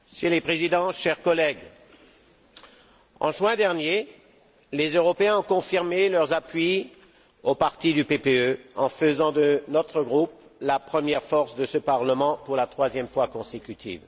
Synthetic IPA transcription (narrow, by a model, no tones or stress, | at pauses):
əsjəlepχezid̪ɑ̃ʃɛʁkɔlɛɡ | ɑ̃ʒwɛ̃d̪ɛʁnje | lezøʁɔpeɛ̃ɔ̃kɔ̃fiʁmelœʁzapɥi | opaʁt̪id̪ypepeøɑ̰̃fəzɑ̃d̪ənɔt̪χəɡʁuplapχəmjɛʁfɔʁsd̪əsəpaʁləmɑ̃puʁlat̪χwazjɛmfwakɔ̃sekʲyt̪ʰḭːv